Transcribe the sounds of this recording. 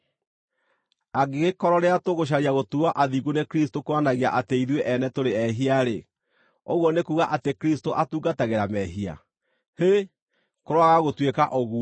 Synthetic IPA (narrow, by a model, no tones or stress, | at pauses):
aɡeɣekɔɾɔɾeatoɣoɕ̬aɾiaɣotuaʔaðiɣonekɾistokoanaɣia̰ʔateiðweʔɛnɛtoɾeɛɦiaɾe | oɣwɔnekuɣaʔatekɾistoʔatuːɡataɣeɾamɛɦia̰ | he | koɾwaɣaɣotwekaʔoɣu